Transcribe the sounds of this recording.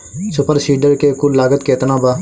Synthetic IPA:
sʊpəɾsiːɖəɾkeːkʊlːaːɡət̪keːt̪nãːbaː

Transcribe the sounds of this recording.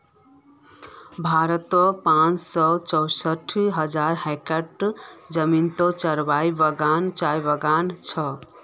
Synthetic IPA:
bʱaɾət̪ɔpãt͡ssɔt͡ʃɔwsəʈʰiɦəd͡ʒaɾɦekəʈd͡ʒəmint̪ot͡ʃəɾbajbəɡant͡ʃajbəɡant͡ʃʰʌ

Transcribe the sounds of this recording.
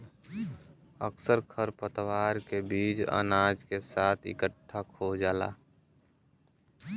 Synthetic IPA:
ə̰ksəɾkʰəɾpət̪waːɾkebiːd͡ʒa̰ːnaːd͡ʒkesaːt̪ʰɪ̰kəʈʰːakʰod͡ʒaːla̰ː

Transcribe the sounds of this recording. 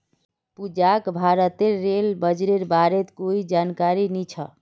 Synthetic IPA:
pud͡ʒakbʱaɾət̪eɾːelbəd͡ʒɾeɾbaɾet̪koid͡ʒankaɾinit͡ʃʰə

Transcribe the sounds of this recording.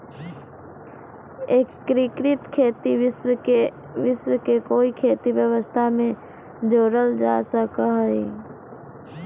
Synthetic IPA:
eːkːɾikɾɪt̪kʰeːt̪iɪswəe | ʋɪswkekoːikʰeːt̪ibjəʋəst̪ʰamẽ | d͡ʒoːɾəld͡ʒa̰ːsəkəɦoḭ

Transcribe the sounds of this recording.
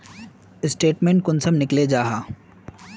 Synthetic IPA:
ɪsʈeːʈmẽːɳʈ̚kʊnsəmnɪkled͡ʒaːɦaː

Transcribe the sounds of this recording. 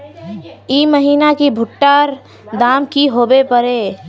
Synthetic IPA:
iːməɦiːnakibʱʊʈːaːɾ | d̪aːmkiɦoːbepəɾeː

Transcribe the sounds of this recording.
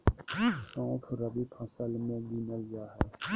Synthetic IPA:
sãːʈʰɾəbipʰãːsəlmẽɡinəld͡ʒaːɦɛː

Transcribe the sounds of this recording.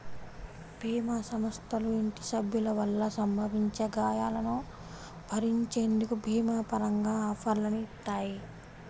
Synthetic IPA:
bʱiːmaːsɐmɐst̪ʰɐluiɳʈi̥sɐbʱjulɐʋɐlːɐsɐmbʱɐʋiɲt͡ʃeɡaːjaːlɐnu | bʱɐɾiɲt͡ʃeːnd̪ukubʱiːmaːpɐɾɐŋɡaːaːfɐɾlɐnuit̪ːaːji

